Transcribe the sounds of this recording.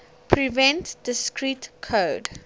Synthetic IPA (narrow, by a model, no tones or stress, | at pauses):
pʰɹivɛ̃ntd̥ɪskɹitkʰod